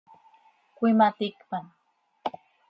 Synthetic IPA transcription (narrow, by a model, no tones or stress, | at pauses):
kʷɪmat̪ɪkpam